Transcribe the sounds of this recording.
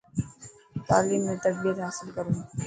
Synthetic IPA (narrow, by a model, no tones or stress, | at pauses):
t̪aːliːmːẽt̪ɐk̚bijət̪ɦaːsɪlkəɾũː